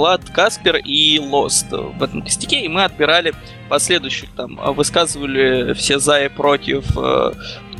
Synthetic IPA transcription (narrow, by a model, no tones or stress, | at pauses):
lˠat̪kaspʲɪrilˠost̪vɛt̪əmkə̥sʲtʲɪkʲeimɨɐt̪̚bʲɪɾalʲɪ | pɐsʲlʲe̞d̪ʊjɕːɪxt̪am̰vɨskazɨvəlʲɪfsʲezajɪpɾo̞tʲɪfə̰